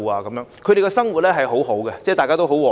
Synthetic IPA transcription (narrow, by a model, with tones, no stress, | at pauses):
aː˧kɐ˨˦mjœː˨˧ŋkʰɵ˨˧ɾe˨jkɛ˧sɐ˥ŋwu˨t̚lɛː˥ɦɐ˨jɦo˨˥wɦo˨˥wɡɛ˧t͡sɛ˥˩t̪aː˨kaː˥t̪o˥wɦo˨˥wɔː˨